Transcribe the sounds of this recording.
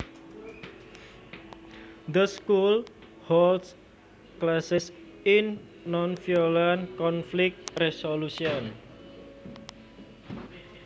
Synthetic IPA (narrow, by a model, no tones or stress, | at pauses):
d̪əskul | holds | klasɪs | ɪnː | ɔnfiolankɔnflɪk̚t̪̚resolusiɔn